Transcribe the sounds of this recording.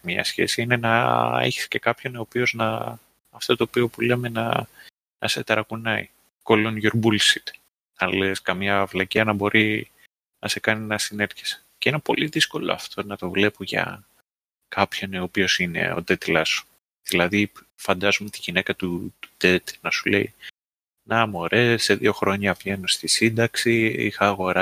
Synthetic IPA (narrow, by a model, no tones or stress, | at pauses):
mɲɐ̰sçe̞̰siine̞nɐḛçi̥sce̞kɐpço̞neopio̞znɐː | ft̪ot̪o̞ːpio̞pule̞me̞nɐ | nʔɐset̪ɐɾɐkunɐi | kolonʝoɾbulsit̪ | nɐleskɐmɲɐvlɐciɐnɐbo̞ɾi | nɐse̞kɐninɐsine̞ɾçe̥sceinepo̞̰liðisko̞lo̞̰ɐ̰ft̪ʰo̞nɐt̪o̞vle̞poʝɐ̰ | kɐpço̞neopio̞sine̞̰o̞̰t̪et̪lɐsu̥ | ðilɐði | fɐnd̪ɐzomet̪iʝinekɐt̪ut̪u̥t̪e̞t̪nɐsule̞̰i | nɐmo̞ɾʔe̞sːe̞ðio̞xɾo̞ɲɐvʝe̞nost̪isind̪ɐksiḭxɐɣo̞ɾɐ